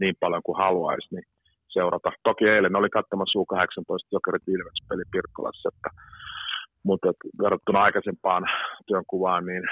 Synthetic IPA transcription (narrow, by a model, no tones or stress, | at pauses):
niːmpɑljoŋkuhɑluɑ̰isni | seurɑt̪ɑt̪okieilːenneolikɑt̪ːomɑsuːkɑheksɑnt̪oist̪jokerit̪ilʋekspelipirkːo̰lɑ̰sːet̪ːæ | mut̪et̪ʋerːɑt̪ːunɑɑikɑsempɑːnt̪yøŋkuʋɑːnniːn